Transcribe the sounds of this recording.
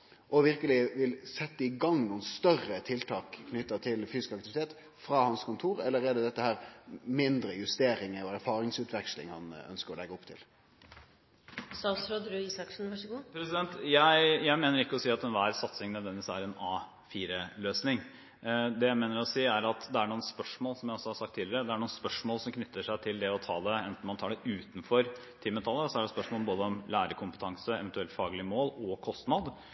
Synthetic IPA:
ʔɔʋɪɾkəlɪʋɪlsɛt̪ːəɪɡɑŋːnuːənst̪œrət̪ʰɪlt̪ʰɑːkkʰnʏt̪ːət̪ʰɪlfyːsɪ̥skɑkt̪ɪʋɪt̪ʰeːt̪ | fɾɑːhɑnskʊnt̪ʰuːɾɛlːəɾɛːd̪ɛd̪ɛt̪ːəhæːɾmɪnd̪ɾəjʉst̪eːɾɪŋəɔæɾfɑːɾɪŋsʉːt̪ʋɛkslɪ̰ŋhɑ̰nœ̰nskəɾɔlɛɡːəɔpːt̪ʰɪ̰l | sɑsɾod̪ɾʉiːsɑkʂn̩ʋɑʂɡuːpʰɾɛsɪd̪ɛnt̪jæɪjæɪmeːnəɾɪkːəɔsiːɑt̪ɛnʋæːɾsɑt̪sɪŋnɛd̪ʋɛnɪʋɪsæ̰ɾɛnɑː | fiːɾəløːsnɪŋ | d̪ɛjæɪmeːnəɾɔsiːæɾɑt̪d̪ɛæɳuːnspœʂmoːlsɔmjæɪɔsːɔhɑɾsɑk̚t̪ʰːiːləɾəd̪ɛæɳuːnspœʂmoːlsɔmkʰnʏt̪ʰːəʂæɪt̪ʰɪld̪ɛɔt̪ʰɑ̰ːd̪ɛɛnt̪n̩mɑnt̪ʰɑːɖɛʔʉːt̪n̩fɔɾ | t̪ʰɪmːət̪ʰɑlːəɾɔsɔæɖɛspœʂmoːlboːd̪əɔmlæːɾəkʰʊmpə̥t̪ʰɑŋsəɛ̰ʋɛnt̪ʉɛlt̪fɑːɡəlɪəmoːlɔkʰɔst̪nɑd̪

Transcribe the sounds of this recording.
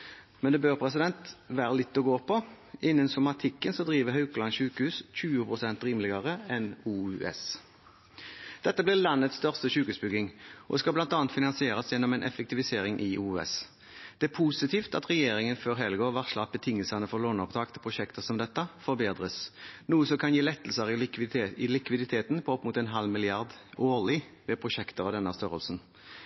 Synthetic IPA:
mɛnd̪ɛbøːʁpʰɾɛsɪd̪ɛnt̪ʋæːʁəlɪt̪ːɔɡoːpʰɔ | ʔɪnːənsɔmɑt̪ʰɪkːənsɔd̪ʁiːʋəɦhœʉklɑnʃʉːkəhʉːsc͡çʉːʊpʰʁʊsɛnt̪ɾiːmlɪɡɑʁəɛnuːʉɛ̰s | d̪̥ɛt̪ːəblɪʁlɑnːət̪st̪œʁst̪əʃʉːkhʉːsbʏɡɪŋʔɔd̪skɑblɑnt̪ɑːnt̪fɪnɑnsɪeːʁɑsjɛnːɔmɛːnʔɛ̰fɛk̚t̪ɪʋɪseːɾɪŋʔɪʔuːɛ̰s | d̪̥ɛæpʰuːsɪt̪ʰiːft̪ɑt̪ʁɛjeːɾɪŋənføːʁɦɛlɡoːʋɑʁʂlɑt̪̚bət̪ʰɪŋːəlsənəfɔʁloːnɔpt̪ʰɑːkt̪ʰɪpʰʁʊʃɛkt̪əʁsɔmd̪ɛt̪ːəfɔʁbeːd̪ʁəsnuːəsɔkʰɑnjiːlɛt̪ːəl̩səʁɪlɪkʋɪd̪ɪt̪ʰeːt̪n̩pʰɔɔpːmʊːt̪ɛnɦɑlmɪlɪɑʁd̪oːlɪʋɛpʰʁʊʃɛkt̪əʁɔd̪ɛnəəst̪œʁə̰lsn

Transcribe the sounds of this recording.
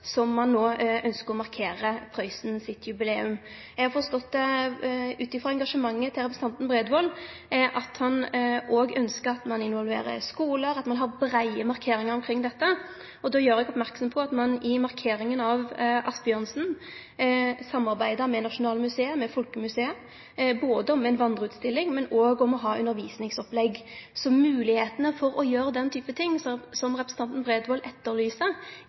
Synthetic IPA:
sɔmːɑnːoːʔœnskəɾʁɔmɑʁkʰeːɾəpʰɾœɪsnsɪt̪ʰjʉbɪleːʉm | ɛɡhɑɾfɔʁst̪ɔt̪ː | ʉːt̪ɪfʁɑɛŋɡɑʂəmɑŋːət̪ʰɪlʁɛpɾsn̩ɑnt̪nbɾeːd̪ʋɔlːʔɑt̪hɑnoːɡœnskəɾɑt̪mɑnɪnʋɔlʋḛːɾə̰ɾskuːləɾɑt̪mɑnɦɑɾbɾæɪəmɑɾkʰeːɾɪŋəɾɔmkʰɾɪŋːd̪ɛt̪ːə | ɔd̪oːjøːɾɛɡɔpmæɾksɔmpʰɔɑt̪mɑnɪmɑɾkʰeːɾɪŋənɑʋʔɑsbɪœnsn̩ | sɑmːɑɾbæɪd̪əɾmɛnɑʂʊnɑːlmʉseːəmːɛfɔlkəmʉseːə | boːd̪əɔmɛnʋɑnd̪ʁəʉːt̪st̪ɪlːɪŋmɛnoːɡɔmɔɦɑːʔʉ̰nːəɾʋiːsnɪŋsɔplɛɡsɔmʉːlɪheːt̪ənəfɔɾɔjøːɾəd̪ɛnt̪ʰyːpət̪ʰɪŋːsɔsɔmʁɛpɾəsət̪ɑnt̪n̩bʁeːd̪ʋɔlʔɛt̪ːəɾlyːsə

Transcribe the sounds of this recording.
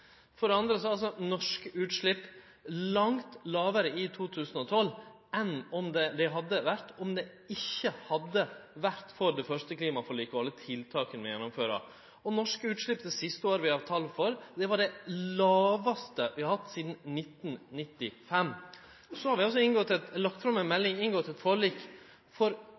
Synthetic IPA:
fɔɖ̪ɛɑnd̪ɾəsɔɑls̬ɔnɔʂkʉːt̪ʂɭɪpː | lɑŋt̪lɑːʋəɾəɪt̪ʰuːt̪ʰʉːsənɔt̪ʰɔl | ɛnɔmd̪ɛd̪ɛɦɑd̪ːəʋæɾt̪ɔmd̪ɛ | ɪçːəhɑd̪ːəʋæɾt̪fɔɾd̪ɛfœɾʂt̪əkliːmɑfɔɭiːkɔɑlːət̪ʰɪlt̪ʰɑːkənʋɪjɛnːɔmføːɾɑ̰ | ɔnɔʂkəʉːt̪ʂɭɪpːd̪əsɪst̪əoːɾəʋɪhɑʋt̪ʰɑlːfɔɾd̪ɛʋɑɖɛlɑːʋɑst̪əʋɪhɑɾhɑt̪ːsiːd̪n̩nɪt̪ːn̩nɪt̪ːɪfɛmː | sɔhɑɾʋɪɑls̬ɔɪnɡɔt̪ːɛt̪lɑkt̪fɾɑmɛnmɛlːɪŋɪnɡɔt̪ːɛt̪foːɭiːk | fɔɾ

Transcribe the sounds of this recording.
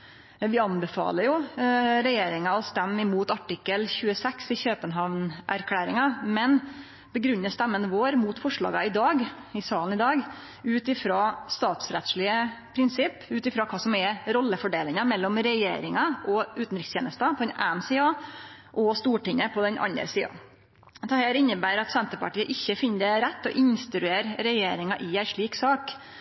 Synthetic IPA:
ʋɪɑnbɛfɑ̰ːləɾjʊɾɛjeːɾɪŋɑɔst̪ɛmːɪmuːt̪ɑʈɪkːəlçʉːəsɛksɪçøːpənɦɑʋnʔæɾkʰlæːɾɪŋɑmɛn | bəɡɾʉnːəst̪æmːənəʋoːɾmuːt̪fɔʂɭɑ̰ːɡɑɪd̪ɑːɡɪsɑːln̩ɪd̪ɑːɡ | ʉːt̪ɪfɾɑːst̪ɑːt̪sɾɛt̪ʂɭɪəpʰɾɪnsɪpːʉːt̪ɪfɾɑːkʰɑːsɔmɛɾɔlːəfɔɖeːlɪŋɑmɛlːɔmɾɛjḛːɾɪŋɑʔɔʔʉːt̪n̩ɾɪkst̪ʰeːnəst̪ɑpʰɔd̪ɛnʔæːn̩siːɑʔɔst̪uːʈɪŋəpʰɔd̪ɛnʔɑ̰nə̰ɾsiːɑ̰ | d̪ɛhæːɾɪnːəbæːɾɑt̪sɛnt̪əɾpɑʈiːəʔɪçːəfɪnːəd̪ɛɾɛt̪ːɔʔɪnst̪ɾʉeːɾɾɛjeːɾɪŋɑʔɪæɪʂɭiːksɑːk

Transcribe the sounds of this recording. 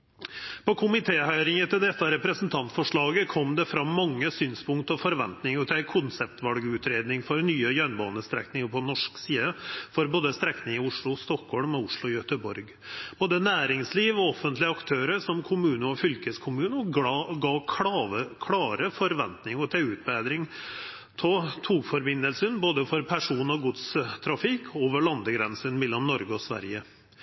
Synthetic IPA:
pɔkʰʊmɪt̪ʰeːhœʏɾɪŋət̪ʰɪld̪ɛt̪ːɑɾɛpɾəsn̩t̪ʰɑnt̪fɔʂɭɑːɡəkʰɔmd̪ɛfɾɑmːɑŋːəsyːnspʊŋkt̪ɔfɔɾʋɛ̰nt̪nɪŋɔt̪ʰækʰʊnsɛpt̪ʋɑlɡʉːt̪ɾeːd̪nɪŋfɔɾnyːəjœnbɑ̰ːnəst̪ɾɛ̰knɪŋəpʰɔnɔʂksiːd̪əfɔɾboːd̪əst̪ɾɛknɪŋɪʊʂɭʊst̪ɔkhɔlmɛʊʂɭʊɪjœt̪əbɔɾɡ | b̥oːd̪ənæːɾɪŋsliːʋɔɔfənt̪lɪəɑkt̪ʰøːɾəʂɔmkʰʊmʉːnəɔfʏlkəskʰʊmʉːnəɡɑːkʰəkʰlɑːɾəfɔɾʋɛnt̪nɪŋɔt̪ʰɛʉːt̪̚bæːd̪ɾɪŋ | t̪ʰɔt̪ʰuːɡfɔɾbɪnːəlsənboːd̪əfɔɾpʰæʂuːnɔɡʊd̪st̪ʰɾɑfɪkʰoːʋəɭɑnd̪əɡɾɛnsənmɛlːɔmnɔɾɡəɔsʋæ̰ɾjə

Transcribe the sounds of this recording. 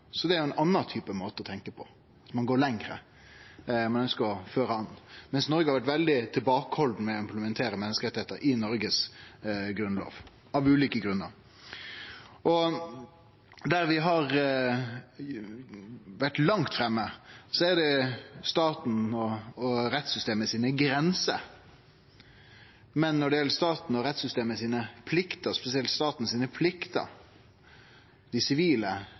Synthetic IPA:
sɔd̪ɛæɾjʊɛnɑnːɑt̪ʰyːpəmoːt̪əɔt̪ʰɛŋkəpʰɔ | ɑt̪mɑnɡoːɾlɛŋɾə̰ | mɑnœnskəɾɔføːɾəɑnmɛnsnɔɾɡəhɑɾʋæʈ̬ʋɛld̪ɪt̪ʰɪlbɑːkəhɔld̪n̩mɛɔɪmpləmɛnt̪ʰeːɾəmɛnːəskəɾɛt̪ɪheːt̪əɾʔɪnɔɾɡəs | ɡɾʉnlo̰ːʋ | ɑʋʉːliːkəɡɾʉnːəɾ | ʔɔ | d̪æɾʋɪɦɑɾ | ʋæʈlɑŋt̪fɾɛmːəsɔæd̪ɛst̪ɑːt̪n̩ɔɔɾɛt̪sʏst̪eːməsiːnəɡɾɛnsə̰ | mɛnːɔɖɛjɛlːəʂst̪ɑːt̪n̩ɔɾɛt̪sʏst̪eːməsiːnəpʰlɪkt̪əspɛsɪɛlt̪st̪ɑːt̪n̩siːnəpʰlɪkt̪ə̰ | d̪ɪsɪʋiːlə

